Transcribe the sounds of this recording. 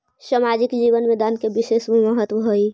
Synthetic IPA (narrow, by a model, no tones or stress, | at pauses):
samaːd͡ʒɪkd͡ʒiːʋənmẽd̪aːnkebɪʃeːsmẽməɦət̪ʋəɦoi